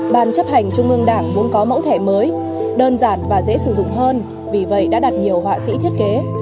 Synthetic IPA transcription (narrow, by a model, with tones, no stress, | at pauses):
ɓaː˨˩nt͡ɕə˦˥p̚ha˨˩jŋ̟t͡ɕʊ˧ŋ͡mʔɨ˧əŋɗaː˧˩ŋmu˨˦ənkɔ˨˦mə̰˧˥wt̪ʰɛ˧˩məː˨˦j | ɗəː˧nzaː˧˩nvaː˨˩zḛ˧˥sɨ˧˩zʊ̰˧˨ŋ͡mɦəː˧n | vi˨˩və̰˧˨jɗa̰ː˧˥ɗa˨˩t̚ɲi˨˩əwɦwa̰ː˧˨sḭ˧˥t̪ʰi˦˥ət̚ke˨˦